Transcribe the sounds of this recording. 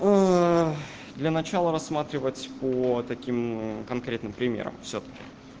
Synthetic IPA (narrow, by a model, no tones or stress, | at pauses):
ə | d̪lʲənɐt͡ɕalˠəɾɐsːmat̪ɾʲɪvətʲpət̪ɐkʲimkɐnkɾʲe̞t̪nɨmpɾʲɪmʲḛɾə̰mfsʲot̪ə̥kʲɪ̰